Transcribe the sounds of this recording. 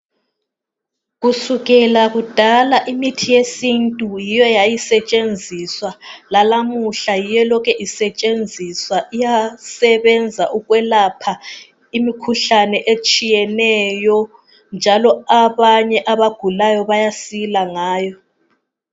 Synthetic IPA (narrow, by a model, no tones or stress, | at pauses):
ɣusuɣɛlaɣud̥ʱalaʔimitʰijesintʼujijɔjajisɛt͡ʃʼend͡zʱiswalalamuɬajijɛlɔkʰɛʔisɛt͡ʃʼend͡zʱiswaʔijasɛβɛnd͡zʱaʔuɣwɛlapʰa | imikʰuɬanɛʔet͡ʃʼijɛnɛjɔ | nd͡ʒʱalɔaβaɲɛʔaβaɡ̥ʱulajɔβajasilaŋaːjɔ